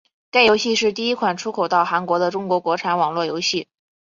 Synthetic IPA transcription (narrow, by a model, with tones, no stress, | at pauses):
k̪a˥˩ɪjo˧˥ɕi˥˧ʂɻ̩˥˧t̪̬i˥˩i˥kʰwa˨˩nʈ͡ʂʰu˥kʰo˨˩ʊt̪ɑ˥˩ʊxa˧˥nkwɔ˧˥d̪ə˧ʈ͡ʂʊ˥ŋkwɔ˧˥kwɔ˧˥ʈ͡ʂʰa˧˥nwɑ˨˩ŋlwɔ˥˩jo˧˥ʊɕi˥˩